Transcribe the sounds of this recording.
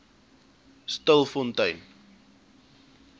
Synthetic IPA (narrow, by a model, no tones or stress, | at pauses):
stəlˠfɔntəjn